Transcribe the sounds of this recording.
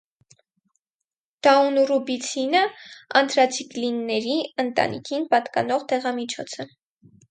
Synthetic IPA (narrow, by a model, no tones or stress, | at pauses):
d̪̥ɑunrubit͡sʰinəɑ̰nt̪ʰɾɑt͡sʰiklinːɛɾiənt̪ɑ̰nḭkʰinpɑt̪kɑnɔʁt̪ɛʁɑmit͡ʃʰɔt͡sʰə